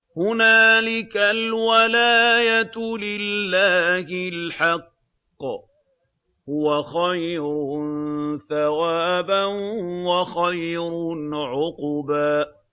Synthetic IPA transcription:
hʊnaːlɪkalwalaːjat̪lɪlːaːhɪlħɑqː | hʊwaxajɾʊ | θawaːbanwaxajɾʕʊqʊbaːʔ

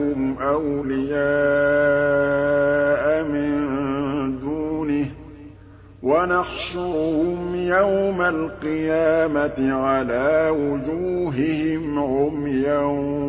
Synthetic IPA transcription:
ʊmʔawlɪjaː | ʔamɪnd̪uːnɪh | wanɑxʃʊɾhʊmjawmalqɨjaːmat̪ɪʕalaːwʊd͡ʒuːɦɪhɪmʕʊmjaw

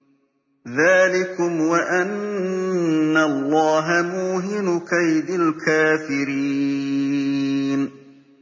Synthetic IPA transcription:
ðaːlɪkʊmwaʔan | alˤːɑːɦamuːɦɪnʊkajd̪ɪlkʰaːfɪɾi | n

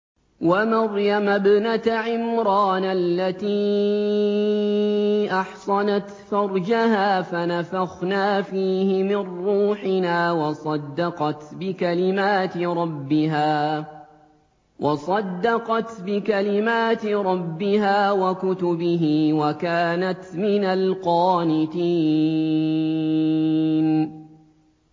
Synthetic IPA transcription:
wamɑɾjamabnat̪ʕɪmɾˤɑːnalːat̪iː | ʔɑħsˤɑnat̪fɑɾˤd͡ʒahaːfanafaɣnaːfiːhɪmɪnːuːħɪnaːwɑsˤɑd̪ːɑqɑt̪bɪkalɪmaːt̪ɪɾˤɑbːɪɦaː | wʔɑsˤɑd̪ːɑqɑt̪bɪkalɪmaːt̪ɪɾˤɑbːɪhaːwakʊt̪ʊbɪɦiːwakaːnat̪mɪnalqɑːnɪt̪iː | n

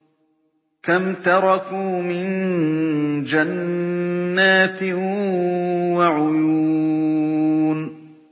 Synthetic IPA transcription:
kamt̪ɑɾˤɑkuːmɪn | d͡ʒanː | aːt̪ɪ | waʕʊju | n

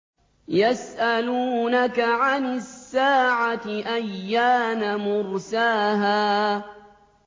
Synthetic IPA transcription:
jasʔaluːnakaʕanɪsːaːʕat̪ɪʔajːaːnamʊɾsaːɦaː

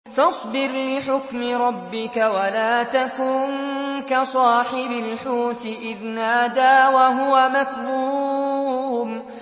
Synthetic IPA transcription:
fɑsˤbɪɾlɪħʊkmɪɾˤɑbːɪkawalaːt̪akuːnkasˤɑːħɪbalħuːt̪ɪʔɪðnaːd̪aːwaɦʊwamakɾuː | m

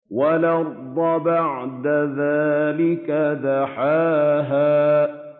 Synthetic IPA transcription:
walɑɾˤd̪ˤɑbaʕd̪aðaːlɪkad̪aħaːɦaː

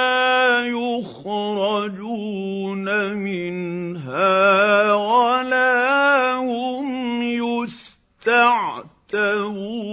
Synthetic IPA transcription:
aːjʊx | ɾˤɑd͡ʒuː | namɪnɦaːwaalaːhʊmjʊs | t̪aʕt̪auː

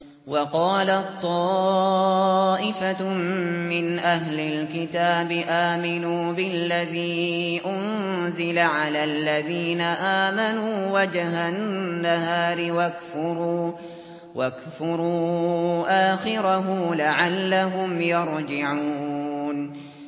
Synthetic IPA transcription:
wɑqɑːlat̪ˤːɑː | ʔɪfa | mɪnʔaɦlɪlkɪt̪aːbɪʔaːmɪnuːbɪlːaðiːʔʊn | zɪlaʕalaːlːaðiːnaʔaːmanuːwad͡ʒhanːaɦaːɾɪwakfʊɾuː | wʔakfʊɾuːʔaːxɪɾaɦʊlaʕalːaɦʊmjɑɾˤd͡ʒɪʕuːn

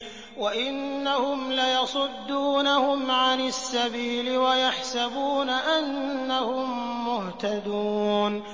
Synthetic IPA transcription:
waʔɪnːahʊmlajɑsˤʊd̪ːuːnahʊmʕanasːabiːlɪwajaħsabuːnaʔanːahʊmːʊht̪ad̪uːn

